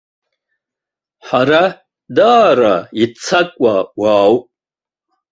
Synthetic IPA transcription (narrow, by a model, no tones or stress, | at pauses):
ħaɾa | d̪aːɾait͡sʰakʷʼwawaːw